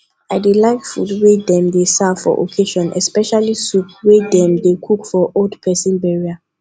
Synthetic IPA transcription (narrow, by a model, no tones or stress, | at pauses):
aɪdilaɪkfudwedɛ̃mdesafɔ̰ʔo̰kʰeʃɔ̃nʔɛ̰spɛʃalisup̚wedɛ̃mdekʰukfɔʔoldpʰɛsĩnbɛɹia